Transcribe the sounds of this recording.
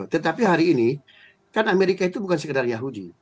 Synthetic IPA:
t̪ət̪apiɦaɾiːni | kanameɾikait̪ubukansəkədarjaɦudḭ

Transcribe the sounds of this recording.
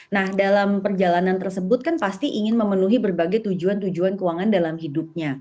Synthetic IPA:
nahdalampərd͡ʒalanant̪ərsəbʊt̪̚kanpast̪iʔiŋɪnməmənuɦibərbaɡajt̪ud͡ʒuant̪ud͡ʒuankəwaŋandalamɦidʊp̚ɲa

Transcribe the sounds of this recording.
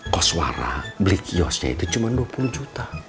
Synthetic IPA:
kɔswa̰ɾa̰blikiɔsɲa̰ḭt̪ut͡ʃumanduapuluhd͡ʒut̪a

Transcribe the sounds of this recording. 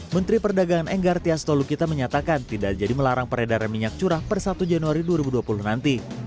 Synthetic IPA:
mənt̪ɾipərdaɡaŋanɛŋɡart̪iast̪olukit̪aməɲat̪akant̪idad͡ʒadiməlaɾaŋpəɾedaɾanmiɲak̚t͡ʃuɾahpərsat̪ud͡ʒanuaɾiduaɾibuduapuluhnant̪i

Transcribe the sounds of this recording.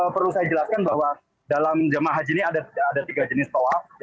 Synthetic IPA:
pəɾlusajad͡ʒəlaskanbaɦwa | dalamd͡ʒamaaɦad͡ʒiniadaadat̪iɡad͡ʒənɪst̪oaf

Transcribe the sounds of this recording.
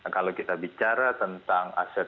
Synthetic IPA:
kalokit̪abit͡ʃaɾat̪ənt̪aŋa̰sɛ

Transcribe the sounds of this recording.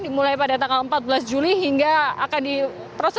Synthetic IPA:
dimulajpadat̪aŋɡaləmpat̪̚bəlasd͡ʒuliɦiŋɡaakandi | pɾɔs

